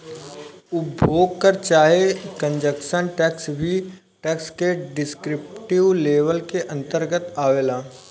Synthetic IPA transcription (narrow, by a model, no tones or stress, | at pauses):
ʊbʱoːɡ̚kəɾt͡ʃaːɦekə̃ɲd͡ʒəkʃənʈɛːksbʱi | ʈɛːkskeɖɪskɾɪpʈɪʋleːʋəlkeʔɐ̃nt̪əɾɡət̪aːʋeːlaː